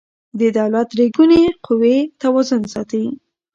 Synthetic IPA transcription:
d̪əd̪awlat̪ɾeɡuneqʰʊwet̪awɑzʊnsɑt̪awi

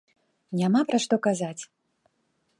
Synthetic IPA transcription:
nʲamapɾaʂt̪ɔkazat͡sʲ

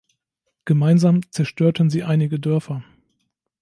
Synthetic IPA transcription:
ɡ̥əmaɪnzaːmt͡sɛɐʃtʰøːɐtən̩ziːʔaɪnɪɡədœɐfɐ

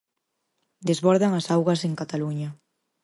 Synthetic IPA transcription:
d̪ezβɔɾðaŋasawɣɐseŋkat̪aluɲa

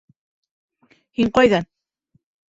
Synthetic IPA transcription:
hiɴqajðan

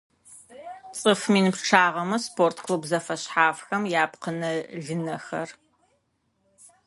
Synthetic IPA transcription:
t͡sʼɨfmiːnɨpʈ͡ʂʰaːʁɐmɐspʰoːrtʰkʰlubzɐfɐɕħaːfxɐmjaːpqənɐɮɨnɐxɐ̰r

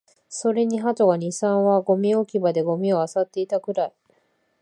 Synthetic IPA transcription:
so̞ɾe̞ɲ̟iɦat̪oɡaɲ̟isãɰ̃βaɡo̞mʲio̞kʲibad̪e̞ɡo̞mʲio̞asat̪ːe̞it̪akɯ̟ɾai

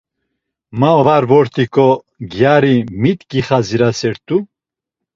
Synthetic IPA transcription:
maɔvaɾvɔɾt̪ʰikʼɔ | ɡjaɾimit̪kiχaziɾasɛɾt̪ʼu

